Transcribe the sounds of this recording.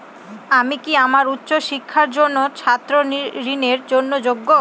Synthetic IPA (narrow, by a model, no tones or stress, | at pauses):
amikiamaɾut̪ːɕoʃikʰːaɾd͡ʑonːot͡ɕʰat̪ːɾoɾineɾd͡ʑonːod͡ʑoɡːo